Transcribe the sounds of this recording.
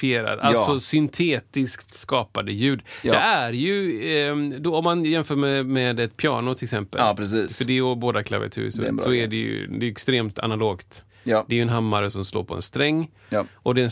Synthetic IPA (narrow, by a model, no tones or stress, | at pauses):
feːɾa̰d̪alsɔsʏnt̪ʰeːt̪ɪskt̪skɑːpad̪əjʉ̟ːd̪ɛæɾjɵ | d̪ɔɔmːanjɛmfœːɾmɛmɛd̪ɛt̪pʰjɑ̰ːɳʊt̪ʰɪlksɛmpə̰ɾɛsiːfœɖɛjɔboːd̪akʰla̰vɪ̰a̰t̪ʰʉ̰ːsɛ̰sɔɛɖɛj̰d̪ɛjʉɛkst̪ɾeːmt̪ʰa̰naloːɡt̪ | d̪ɛɛɾjɵɛnɦamːaɾəsɔmslo̰ːpʰɔɛ̰nst̪ɾɛŋː | ʔɔd̪ɛ